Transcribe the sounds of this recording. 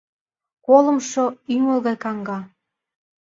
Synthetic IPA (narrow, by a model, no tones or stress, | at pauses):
kolə̆mʃoyŋəlˠɣɑjkɑŋɡɑ